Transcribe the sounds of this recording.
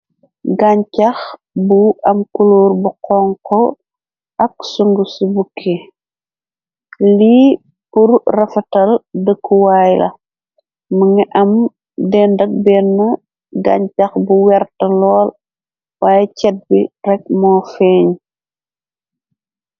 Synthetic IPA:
ɡaɲcɐx | buɐmkuluːɾbuqɔŋkɔ | ɐk̚suŋɡusubukʰi | li | puɾrɐfɐtɐldəkːuwajlɐ̰ | məŋiʔɐm | dɛndɐk̚bɛnːɐ | ɡa̰ːɲcɐxbuwɛrtɐlɔːl | waːjɛcɛt̚birɛk̚mɔːfɛːɲ

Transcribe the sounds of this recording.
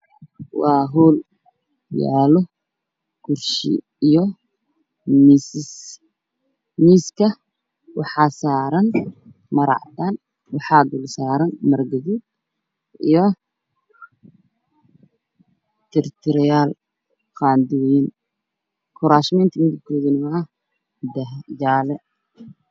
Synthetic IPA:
wɑːɦɔːl | ja̰ːlɔ | ɡ̥ʊrʃḭ | ijɔ | misɪs | miːskʰɐ | wɑħɑːsaːɾɐn | mɐɾɑ̰ʕt̪ʰaːn | wɑħɑːd̪ʊlsaːɾɐnmɐrɡɐðud | ijɔ | t̪ʰɛɾɪt̪ʰɔɾɪjaːl | kaːnd̪uwjin | kʰʊɾaʃmɛnt̪ʰɪmɪðɪb̚kʰɔːðɪnɪma | d̪ɐd͡ʒaːlɛ

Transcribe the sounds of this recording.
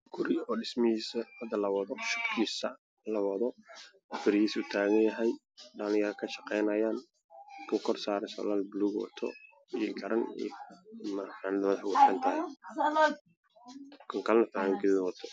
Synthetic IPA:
ɡ̥ʊɾɪɔːɖɪsmɐhiːsɐwɐd̪ɐlɐwɐðɔʃʊbkʰiːsɐ | lɐwɐðɔ | ɐfɪɾjiːsuːt̪ʰaːɣɐnjɐɦɛj | ɖɐlɪjɐɾkʰɐʃɐqɛjnɐjaːn | kʰʊkʰɔrsaːɾɐnsɔ̰ːlaːlbluːɡwɔ̰t̪ʰɔ̰ː | ɡɐɾɐnḭjmaħanɐd̪mɐðɐħwʊsɐnt̪ʰɐɦɛ | kʰɐŋkʰɐlnɐt̪ʰaːɣɐŋɡɪɪðwɐt̪ʰɔ

